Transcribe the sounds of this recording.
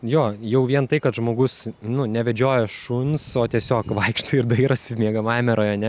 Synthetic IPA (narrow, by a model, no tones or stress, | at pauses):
joːjɛʊʋʲiɛnt̪ɐɪkɐt̪ʒmoːɡʊsnʊnʲɛʋʲɛd͡ʒʲoːjɛʃunsoːt̪ʲiɛsʲoːkʋɐɪkʃt̪oɪɾd̪ɐɪɾɐsʲɪmʲiːɡɐmɑːmʲɛɾoːjɐnʲɛ